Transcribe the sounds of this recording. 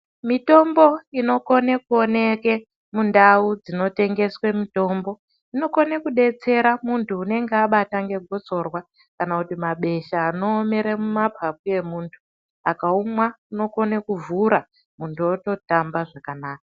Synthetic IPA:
mito̞mbo̞ino̞ko̞nekuone̞ke̞ | mundaud͡zino̞te̞ŋɡe̞swe̞mito̞mbo̞ | ino̞ko̞nekuɗe̞t͡se̞ɾamuntʰuːne̞ŋɡeaɓataŋɡe̞ɡʱo̞t͡so̞rwa | kanakutimaɓe̞ʃaːno̞ːme̞ɾemumapʰap̚uje̞muːntʰu̥ | akaumwauno̞ko̞nekuvuɾa | muntʰuoto̞tambaʐakanaːka

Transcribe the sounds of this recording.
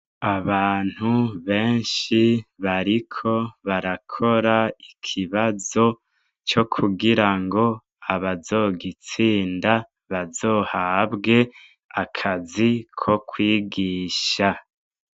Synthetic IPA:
aβaːn̥huβe̞ːnʃiβaɾikʰo̞βaɾakʰo̞ɾaikʰiβazo̞ | t͡ʃo̞kʰuɡiɾaŋɡo̞ | aβazo̞ːɡit͡siːnda | βazo̞ːhabɡe̞ | akʰazikʰo̞kʰwiːɡiːʃa

